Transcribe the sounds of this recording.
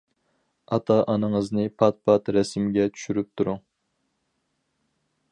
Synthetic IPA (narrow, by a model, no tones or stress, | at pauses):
ɑt̪ʰɑʔɑnɨŋəznɨpʰɑt̪̚pʰɑt̪ɾɛsmɡʲɛt͡ʃʰy̥ʃyɾyp̚t̪ʰuɾuŋ